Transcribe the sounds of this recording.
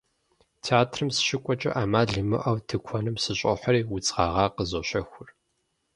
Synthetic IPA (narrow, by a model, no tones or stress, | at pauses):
tʰiaːtʰrɨmsɨ̥ʃɪkʷʼɔt͡ʃʼɐ̰ʔaːmaːɮɨmɨ̰ʔɐwtʰɨkʷʰɔnɨmsɨɕʼɔħʷɐɾiːwʊt͡sʼʁɑːʁɑːqəzoɕɐxʷʊr